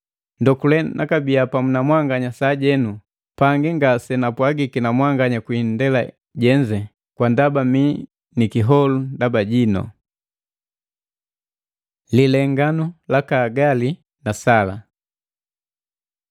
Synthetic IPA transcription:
ndɔkulɛnʔakabiapamunamwaŋɡaɲasaːɟɛnu | paŋɡiŋɡasɛnapwaɡikinamwaŋɡaɲakwindɛla̰ | ɟɛɲd͡ʒɛ | kwandabami | nikiɦɔlundabaɟinɔ̰ | lilɛŋɡanulakaːɡali | nasala̰

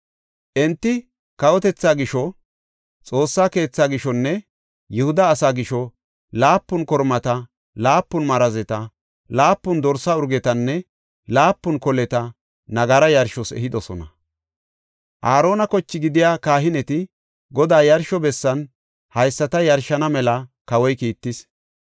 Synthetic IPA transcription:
ʔɛnt̪ːɪ | kɐwɔt̪ɛt͡sːaːɡɪʃɔ | t͡sʼo̞ːsːaːke̞ːt͡sːaːɡɪʃɔnːɛ | jɛhʊd̪ɐːsaːɡɪʃɔ | laːpːʊnkɔɾmɐt̪ɐ | laːpːʊnmɐɾɐzɛt̪ɐ | laːpːʊnd̪ɔɾsɐʊɾɡɛt̪ɐnːɛ | laːpːʊnkɔlɛt̪ɐ | nɐɡɐɾɐjɐɾʃɔsɛ̰ɦɪd̪ɔsɔnɐ | ʔaːɾo̞ːnɐkɔt͡ʃːɪɡɪd̪ɪjaːkaːɦɪnɛt̪ɪ | ɡɔd̪aːjɐɾʃɔbɛsːɐn | hɐjsːɐt̪ɐjɐɾʃɐnɐmɛlɐkɐwɔjkiːt̪ːɪs

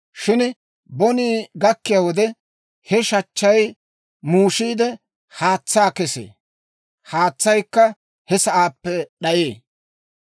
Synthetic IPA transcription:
ʃɪn | bɔniːɡɐkːɪjaːwɔd̪ɛ | hɛʃɐt͡ʃːɐj | muːʃiːd̪ɛ | haːt͡sːaːkɛsḛː | haːt͡sːɐjkːɐ | hɛsɐʔaːpːɛɗɐjeː

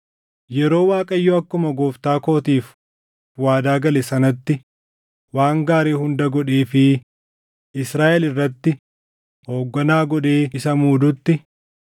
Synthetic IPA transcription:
jɛɾo̞ːwaːkʼɐjːoːɐkːʊmɐɡɔːft̪aːko̞ːt̪iːf | waːd̪aːɡɐlɛsɐnɐt̪ːɪ | waːŋɡaːɾeːhʊnd̪ɐɡɔᶑeːfɪ | ʔɪsɾaːʔɛlɪrːɐt̪ːɪ | ho̞ːɡːɐnaːɡɔᶑeːɪsɐmuːd̪ʊt̪ːɪ

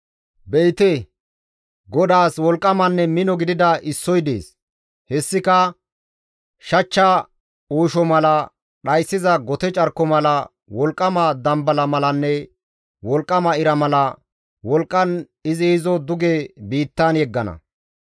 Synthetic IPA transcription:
bɛjt̪ɛ | ɡɔd̪aːswɔlkʼːɐmɐnːɛmɪnɔɡɪd̪ɪd̪ɐʔɪsːɔjd̪ḛːs | hɛsːɪkɐ | ʃɐt͡ʃːɐ | uːʃɔmɐlɐ | ɗɐjsːɪzɐɡɔt̪ɛt͡ʃʼɐɾkːɔmɐlɐ | wɔlkʼːɐmɐd̪ɐmbɐlɐmɐlɐnːɛ | wɔlkʼːɐmɐɪɾɐmɐlɐ | wɔlkʼːɐn | ɪzɪhɪzɔd̪ʊɡɛbiːt̪ːanjɛɡːɐnɐ̰

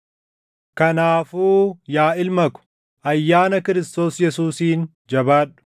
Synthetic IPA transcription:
kɐnaːfuːjaːɪlmɐkʊ̥ | ʔɐjːaːnɐkɪɾɪst̪o̞ːsjɛsuːsiːn | d͡ʒɐbaːᶑʊ̥

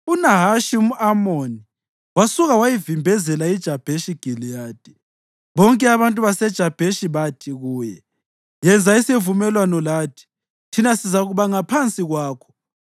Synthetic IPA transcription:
unaɦaʃium̩amoni | wasuɣawajivimbʱɛzɛlaid̥ʒ̥ʱab̥ʱeʃiɡ̥ʱilijaːd̥ʼi̥ | βɔŋkʼɛaβantʼuβasɛd̥ʒ̥ʱab̥ʱeʃiβatʰiɣuːjɛ | jɛnd͡zʱaisevumɛlwanɔlaːtʰi̥ | tʰinasizaɣuβaŋapʰant͡sʼiɣwaːkʰɔ̥

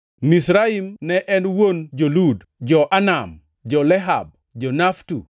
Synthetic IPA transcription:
misɾaimnɛʔɛnwond͡ʒolud | d͡ʒɔʔanam | d͡ʒɔlɛɦa̰b̚ | d͡ʒɔnaftṵ

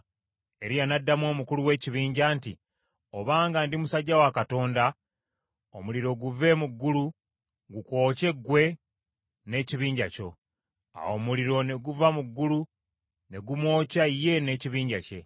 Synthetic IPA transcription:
e̞ɾijanadːamwo̞ːmukuluwe̞ːciβiːɲɟaːntḭ | oβaːŋɡandimusaɟːawakato̞ːnda | omuliɾo̞ɡuve̞muɡːulu | ŋɡuko̞ːce̞ɡwe̞ | ne̞ːciβiːɲɟaco̞̰ | a̰wo̞muliɾo̞ne̞ɡuvamuɡːulu | ne̞ɡumwo̞ːcaije̞ne̞ːciβiːɲɟace̞̰

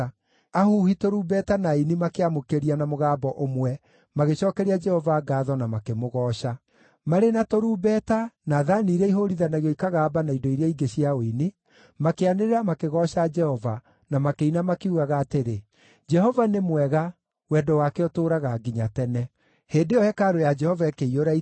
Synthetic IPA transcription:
ahuhitoɾuːbɛtanainimakeamokeɾianamoɣaːbɔʔomwɛ | maɣeɕɔːkɛɾiad͡ʒɛhɔvaːɡaːðɔnamakemoɣɔːʃa | maɾenatoɾuːbɛːtanaːðaniːɾɛiɦoɾiðanaɣjɔikaɣaːbanaidɔiɾeaiɡeɕiaoini | makeaneɾeɾamakeɣɔːɕad͡ʒɛhɔva | namakeinamakeuɣaɣaːteɾe | d͡ʒɛhɔvanemwɛɣa | wɛːdɔwakeɔtoːɾaɣaɡiɲatɛnɛ | heːndeɔhɛkaɾojad͡ʒɛhɔvaekeioɾai

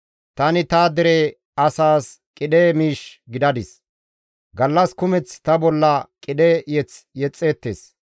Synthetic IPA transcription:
t̪ɐnɪt̪aːd̪ɛɾeː | ɐsaːskʼɪd̪eːmiːʃɡɪd̪ɐd̪ɪs | ɡɐlːɐskʊmɛt͡st̪ɐbɔlːɐkʼɪd̪ejɛt͡sjɛt͡sʼːe̞ːt̪ːḛːs

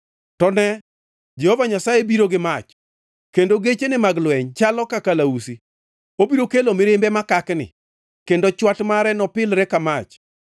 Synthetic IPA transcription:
tɔnɛ | d͡ʒɛhɔvaɲasajebiɾoɡɪmat͡ʃ | kendoɡet͡ʃenɪmaɡlwɛɲt͡ʃalɔkakalausi | obiɾokelomɪɾɪmbɛmakaknɪ̰ | kendot͡ʃwatmaɾɛnɔpɪlɾɛkamat͡ʃ

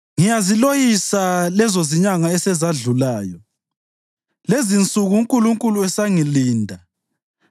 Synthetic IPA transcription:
ŋijazilojisalɛzoziɲaŋaɛsɛzaɮulaːjɔ | lezint͡sʼuɣuuŋkʼuluŋkʼuluɛsaŋiliːndʱa

